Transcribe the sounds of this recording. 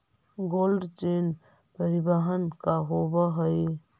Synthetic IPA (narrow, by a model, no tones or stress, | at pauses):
ɡoːlɖt͡ʃeːn | pəɾɪbəɦənkaɦobəɦəi